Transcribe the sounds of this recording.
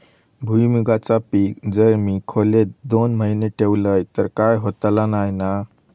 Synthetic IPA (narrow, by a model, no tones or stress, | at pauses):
bʱujmiɡat͡sapiːkd͡zəɾmikʰoled̪onməɦineʈʰeʋləjt̪əɾkajɦot̪lanajna